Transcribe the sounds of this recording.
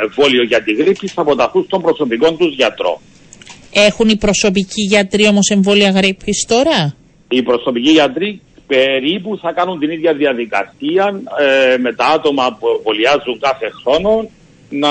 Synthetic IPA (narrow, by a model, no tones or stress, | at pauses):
eɱvo̞lioʝɐt̪iɣɾipsisɐpo̞t̪ɐθust̪o̞mbɾoso̞piko̞nt̪uzʝɐt̪ɾo̞̰ | e̞xunipɾo̞so̞p̬iciʝɐt̪ɾio̞mo̞se̞ɱvo̞liɐɣɾipʰːist̪o̞ɾɐ | ipɾo̞so̞piciʝɐt̪ɾi | pe̞ɾipuθɐkɐnunt̪iniðʝɐðiɐðikɐ̰siɐnme̞t̪ɐɐt̪o̞mɐpueɱvoliɐzːuŋkɐθe̞xɾo̞no̞ | nɐ